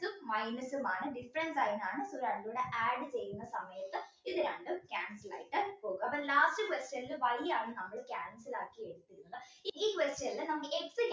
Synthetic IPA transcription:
ɯmɐɪnɐsumaːnɐɖɪfɾɐnsaːjnaːnɐsuɾɐɳɖuɽɐʔaːɖt͡ɕejːunːɐsɐmɐjɐt̪ːɐ | iðɨɾɐɳɖɯkʲaːnsɐla̰ːjiʈːɐpoːɡuɐpːɐnlaːsʈɨkʋesʈjɐnilɐʋɐɭijaːɳɨnɐmːɐɭkjaːnsilaːkːieɽut̪ːiɾuŋɡɐ | iiːkʋesʈjɐnɪlːɐnɐmɡɐeksɨ

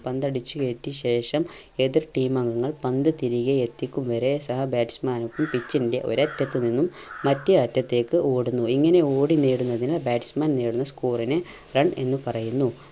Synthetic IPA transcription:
pɐnd̪ɐɽit͡ɕːukeːtːiɕe̞ːʂɐm | e̞ðirʈiːmɐŋɡɐŋːɐɭpɐnd̪ɨt̪iɾiɣeet̪ːikʲːumʋɐɾe̞sɐɦɐbaːʈi̥smaːnukːumpit͡ɕːinde̞̰ʔo̞̰ɾɐtːɐt̪ːɨninːumː | ɐtːɨɐtːɐt̪ːe̞ːkːɨo̞ːɽunːuiŋːɐne̞o̞ːɽineːɽunːɐðinilbaːʈi̥smaːnneːɽunːɐskuːrinɨ | rɐɳe̞̰nːɨpɐrɐjunːu

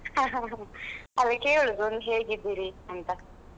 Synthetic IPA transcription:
aɦ | ɐlɐkːeuɭuɡonɦeːɡid̪ːiɾiɐnt̪ɐ

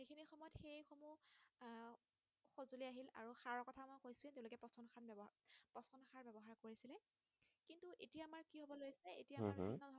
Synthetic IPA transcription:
ekʰinixɔmɔjɔtxejxomu | xozuliaɦila̰ɹuxaɹɔɹkɔtʰamojkojsulɛ̃tẽʊ̃loɔkɛpɔsɔnxʰanbpɔsɔnxʰaɹbɛbɔɦaɹkoɹisilɛ | kintuʔetijamaɹkiɦobɔlojsɛḛtijamainɔdʱɔ

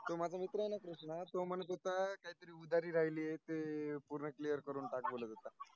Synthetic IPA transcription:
t̪omad͡zʱamit̪ɾəajnakɾuʂnat̪omənət̪̬ot̪akaɦit̪əɾiːud̪aɾiːɾaɦiliːjet̪epuɾɳəklijəɾkəɾuːnʈak̚boləd͡zat̪a

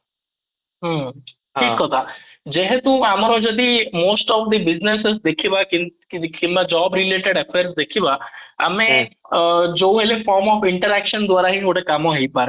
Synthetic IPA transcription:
ɦə | ʈʰiːkɦɔt̪a | d͡ʒeɦet̪ũamaɾõd͡ʒɔd̪imoːsʈɔːfd̪ibɪznesesd̪ekʰiʋaki | kinʋad͡ʒɔːbɾileːʈeɽefeɾsd̪ekʰibaa̰mẽ | d͡ʒouɦelefɔːɾmɔːfɪɳʈəɾɛkʃənd̪ʋaːɾaɦĩoʈekamoɦeipaɾe

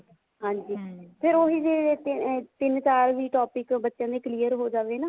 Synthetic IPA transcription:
ɦãːɲd͡ʒiːpʰɪɾoːɦiːd͡ʒeː | t̪ɪnsaːlʋiːʈɔːpɪkbətːʃjãːd̪eːkliːəɾɦoːd͡ʒaːʋeːnaː

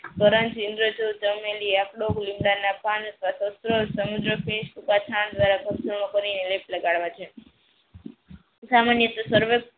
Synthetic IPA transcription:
t̪əɾənt͡ʃind̪ɾod͡ʒod͡ʒəmeliakɽoklimɽanapant̪ʋat̪osɾosəmud̪ɾəfeʃbukat͡ʃʰãnd̪ʋaɾakəbsəmãkəɾinelep̚ləɡaɭʋat͡ʃʰe | samanjət̪osəɾʋe

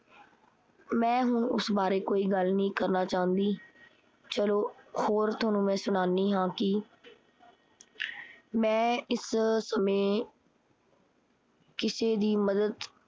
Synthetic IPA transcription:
mɛ̃ːɦʊɳʊ̰sbaːɾeːkoːiːɡəlnĩːkəɾnaːt͡ʃaːɦə̃nd̪iː | t͡ʃəloːhoːɾt̪ʰaːnũːmɛ̃ːsʊɽ̃aːnːiːɦãːkɪ | mɛ̃ːɪssəmẽː | kɪseːd̪iːməd̪əd̪

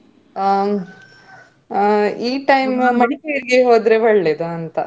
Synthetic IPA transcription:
iːʈɐjmmɐɽikejɐɾiɡeɦoːd̪ɾeʋɐɭːed̪ɐɐnt̪ɐ̰

